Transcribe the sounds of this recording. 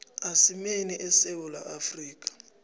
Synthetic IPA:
asimeniʔɛsewula̰ʔafriːk̬ʼḁ

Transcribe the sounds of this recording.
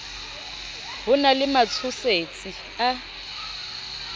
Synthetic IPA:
bʊnalɪmat͡sʰʊset͡sʼi | a

